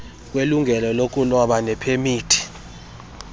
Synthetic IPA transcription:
k̬ʼweluŋʱɛlɔlokʼulɔɓanɛpʰemiːtʰi̥

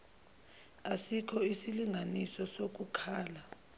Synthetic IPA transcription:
asikʰɔisiliŋɡʱanisɔsok̬ukʰaːla

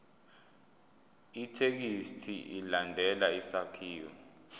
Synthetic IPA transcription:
itʰek̬istʰiʔilandʱɛlaisakʰiːjɔ̰

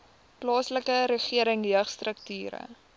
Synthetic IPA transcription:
plɑːsləkəɾəχiəɾəŋɦəχstrək̚tyːɾə̰

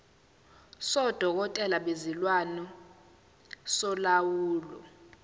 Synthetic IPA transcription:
sɔd̥ʱɔk̬ɔtʼɛlaɓezilwanɔ | sɔlawuːlɔ̰

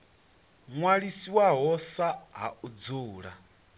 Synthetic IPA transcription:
ŋwaɺisiwaɦɔsaɦa̰ʔud͡zuːɺa

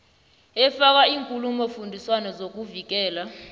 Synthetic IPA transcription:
ɛfak̬aiːŋkʼulumɔfundʱiswanɔzok̬uvik̬ɛːla

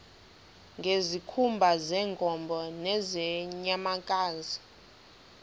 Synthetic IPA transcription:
ŋɡʱezikʰumbʱazɛŋkʼɔmbʱɔnɛzɛɲamakʼaːzi

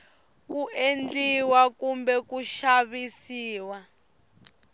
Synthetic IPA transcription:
kuend͡ɮiwakumbɛkuʃaβisiːwa

